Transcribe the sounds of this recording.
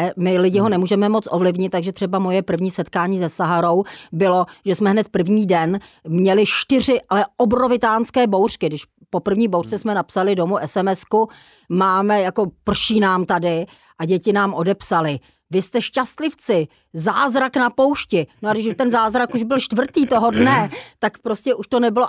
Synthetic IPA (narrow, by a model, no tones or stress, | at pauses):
mɪlɪɟɪɦonɛmuːʒɛmɛmo̞t͡sʔovlɪvɲɪt̪ːaɡʒɛt̪r̥ɛbamo̞jɛpr̩vɲiːsɛt̪kaːɲiːzɛsaɦaɾo̞wbɪlo̞ʒɛsmɛɦnɛt̪̚pr̩vɲiːdɛnmɲɛlɪʃt̪ɪr̝ɪʔalɛʔobɾovɪt̪aːnskɛːbo̞wr̥kɪdɪʃ | popr̩vɲiːbowrt͡sɛsmɛnapsalɪdo̞muʔɛsɛmɛsku | maːmɛjako̞pr̩ʃiːnaːmt̪adɪ | ʔaɟɛcɪnaːmʔodɛpsalɪ | vɪst̪ɛʃcast̪lɪft͡sɪ | zaːzɾaknapo̞wʃcɪnoaɡdɪʃt̪ɛnzaːzɾakuʒbɪlʃt̪vr̩t̪iːt̪o̞ɦo̞dnɛt̪akpɾoscɛʔuʃt̪o̞nɛbɪlo